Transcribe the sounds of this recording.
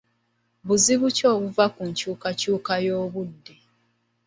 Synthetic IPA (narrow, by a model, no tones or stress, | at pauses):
βuziβuco̞ːβuvakuɲcuːkacuːkajo̞ːβudːe̞